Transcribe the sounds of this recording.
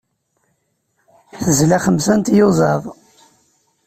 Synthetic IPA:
θəzlæχəmsænt̪jozˤɑðˤ

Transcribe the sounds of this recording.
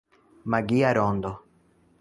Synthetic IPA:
maɡiaɾond̪o

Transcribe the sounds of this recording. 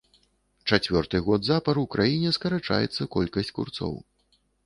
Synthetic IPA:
t͡ʂat͡sʲvʲɔrt̪ɨɣɔd̪zapɐɾuwkɾajinʲɛskɐɾat͡ʂa̰jɛ̰t̪sːɐkɔlʲkɐsʲt͡sʲkṵrt̪sɔ̰w

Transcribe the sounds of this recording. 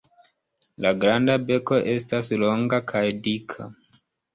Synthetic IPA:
laɡɾandabe̞ko̞ʔe̞staslo̞ŋɡakʰajdikʰa̰

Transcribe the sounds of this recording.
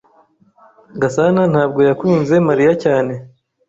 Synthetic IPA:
ɡasanan̥haːbɡo̞jakuːnze̞maɾijacaːne̞

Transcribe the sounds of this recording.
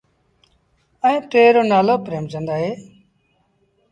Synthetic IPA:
əẽːʈeːɾoːnaːloːpɾeːmd͡ʒə̃nd̪aːɦeː

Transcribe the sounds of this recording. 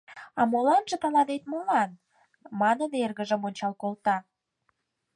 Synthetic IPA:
ɑmolɑnʒə̆t̪əlɑnet̪̚molɑn | mɑnənerɣə̆ʒə̆monʲt͡ɕɑlkolt̪ɑ

